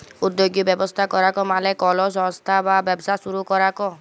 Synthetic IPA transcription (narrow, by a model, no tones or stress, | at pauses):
ud̪ːjoɡjɔbjɔbɔst̪ʰakɔɾakɔmalɛkɔlɔsɔ̃st̪ʰababɔbsasuɾukɔɾakɔ